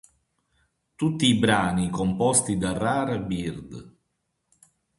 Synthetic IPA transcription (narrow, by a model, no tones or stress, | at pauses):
t̪ut̪ːiːbɾaːnikompɔst̪id̪arːaːɾabird̪